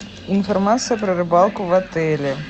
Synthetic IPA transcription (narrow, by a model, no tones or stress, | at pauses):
infɐrmat̪sɨjəpɾɐrɨbɑlˠkʊvɐt̪ɛlʲɪ